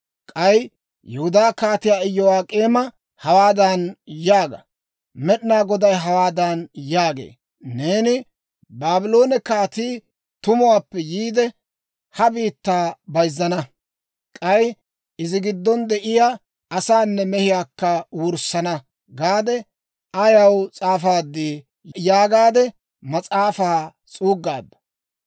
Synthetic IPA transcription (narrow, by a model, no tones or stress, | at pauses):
kʼɐj | jɛhʊd̪aːkaːt̪ɪjaːɪjːɔwaːkʼeːmɐ | hɐwaːd̪ɐnjaːɡɐ̰ | mɛɗɪnaːɡɔd̪ɐjɦɐwaːd̪anjaːɡḛː | ne̞ːnɪ | baːbɪlo̞ːnɛkaːt̪iː | t̪ʊmʊwaːpːɛjiːd̪ɛ | hɐbiːt̪ːaːbɐjzːɐnɐ | kʼɐj | ɪzɪɡɪd̪ːɔnd̪ɛʔɪjaː | ɐsaːnːɛmɛhɪjaːkːɐwʊɾsɐnɐ | ɡaːd̪ɛ | ɐjɐwt͡sʼaːfaːd̪ːi | jaːɡaːd̪ɛ | mɐt͡sʼaːfaː | t͡sʼuːɡːaːd̪ːɐ̥